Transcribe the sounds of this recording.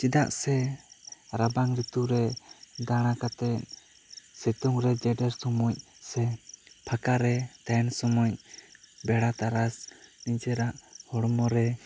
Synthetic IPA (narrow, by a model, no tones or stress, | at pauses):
t͡ʃid̪aʔsɛ | ɾabaŋɾit̪uɾɛd̪aɽ̃akat̪ɛt̪̚ | sɛt̪ɔŋɾɛd͡ʒɛɖɛɾsɔmuc̚sɛpʰakaɾɛt̪ansɔmuc̚bɛɽat̪aɾasniɲt͡ʃɛɾaʔhɔɽmɔɾɛ